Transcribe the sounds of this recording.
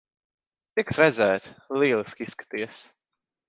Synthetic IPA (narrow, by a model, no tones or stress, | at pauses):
t̪iksɾɛzɛːt̪liɛlˠiskisːkḁt̪iəs